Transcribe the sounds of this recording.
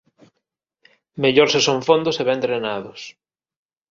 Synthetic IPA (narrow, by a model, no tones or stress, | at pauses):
meʎoɾsesoɱfond̪ʊseβɛnt̪ɾenaðʊs